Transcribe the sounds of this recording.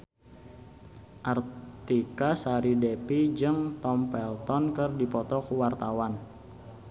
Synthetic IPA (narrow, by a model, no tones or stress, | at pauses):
ʔart̪ikasaɾidɛpid͡ʒɨŋt̪ɔmpɛlt̪ɔnkərdipɔt̪ɔkuwart̪awan